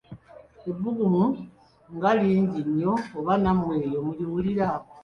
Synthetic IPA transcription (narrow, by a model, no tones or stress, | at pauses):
ebːuɡumu | ŋɡaliːɲɟiɲːo̞ːβanamwe̞ːjo̞muliwuliɾa